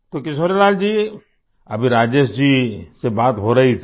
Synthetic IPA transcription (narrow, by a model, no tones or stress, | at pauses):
t̪okɪʃ̬oɾelaːld͡ʒiː | ɐbʱiɾaːd͡ʒeʃd͡ʒisebaːt̪ɦoɾɐɦit̪ʰ